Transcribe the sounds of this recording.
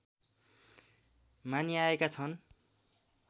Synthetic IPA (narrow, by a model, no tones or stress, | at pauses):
maniaekat͡sʰʌn